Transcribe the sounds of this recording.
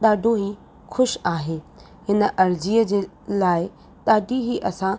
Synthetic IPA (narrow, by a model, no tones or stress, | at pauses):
ɗ̪aːɖʱoɦi | xʊʃaːɦeː | hɪnə̆ʔɐɾd͡ʑiːəd͡ʑeː | laːɪ | ɗ̪aːɖʱiɦiːʔɐsã